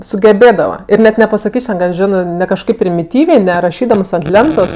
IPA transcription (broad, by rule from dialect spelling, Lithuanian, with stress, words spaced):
sʊɡʲɛˈbʲeːdɐʋɐ ɪr nʲɛt nʲɛpɐsɐˈkʲiːsʲ tʲɛn ɡɐlˠ ˈʒʲɪnɜ ˈnʲɛ kɐʃˈkɐɪp pʲrʲɪmʲɪˈtʲiːʋʲeː nʲɛ rɐˈʃʲiːdɐms ɐnt ˈlʲɛntoːs